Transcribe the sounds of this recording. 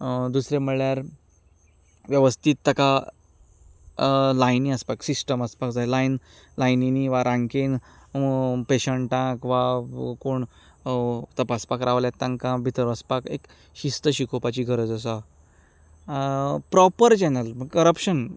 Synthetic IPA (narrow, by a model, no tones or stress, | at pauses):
d̪usɾeməɭjaɾ | ʋjəʋəst̪ʰiːt̪ːəka | lajnĩəspaksisʈəməspakd͡zajlain | lajniniʋaɾʔãŋken | peɕəɳʈãkʋakoɳ | t̪əpaspakɾʔaʋljat̪ːãŋkãbʱit̪əɾʋəspakek | ɕist̪əɕikʰopat͡ɕiːɡʱəɾəd͡zəs̬a | pɾɔpəɾt͡ɕɛnəlməɡkəɾəpɕən